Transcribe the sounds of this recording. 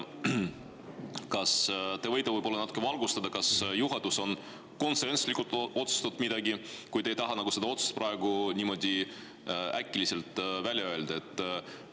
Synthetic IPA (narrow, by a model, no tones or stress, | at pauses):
kɑst̪e̞vɤjt̪ːˑɑvɤjbolːnɑt̪ːukːevɑlɡust̪ɑd̪ɑkɑsjuɦɑd̪̥uso̞n | ko̞nse̞nslikult̪o̞t̪su̥st̪ɑt̪ːmid̪̥ɑɡikujd̪e̞jt̪ɑɦɑnɑɡ̥use̞d̪ɑo̞t̪su̥st̪̚prɑe̞ɡ̥unʲiːmo̞d̪̥ʲi | ʔækːilise̞lt̪ːˑvælʲjɑøeld̪̥ɑe̞t̪ːˑ